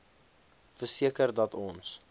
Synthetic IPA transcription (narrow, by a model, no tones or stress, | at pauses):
fərsiəkərdɐtɔns